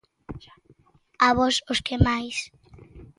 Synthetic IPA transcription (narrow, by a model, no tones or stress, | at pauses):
aβɔsoskemajs